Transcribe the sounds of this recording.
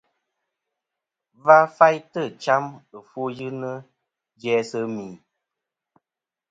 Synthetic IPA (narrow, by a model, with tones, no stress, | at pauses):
va˦fa˦jtə˦˨t͡ʃa˦mɨ˨fu˦jɨ˦nə˦ | d͡ʒɛ˦sə˦mi˨